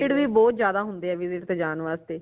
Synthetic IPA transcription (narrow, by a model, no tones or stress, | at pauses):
ɪʈʋiːbɔːt̪zjaːd̪aːɦʊnd̪eːɛːʋɪzɪʈt̪eːd͡ʒaːnʋaːzt̪eː